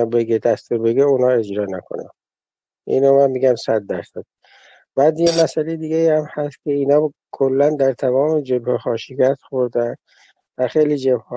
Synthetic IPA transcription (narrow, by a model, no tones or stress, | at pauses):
beɡed̪æst̪obe̞ɡeunhɒːe̞d͡ʒɾɒːnækʰo̰næ̰n | ʔḭnomænmiːɡæmsæd̪̚ːæɾsæd̪̥̚ | b̥æːd̪jemæsælejed̪iːɡeiːhæmhæst̪̚kʲʰe̞iːnɒː | kʰolːænd̪æɾt̪ʰæmɒːmed͡ʒebhexɒːʃiɡæt̪xoɾd̪ænd̪ | væxejliːd͡ʒebhɒ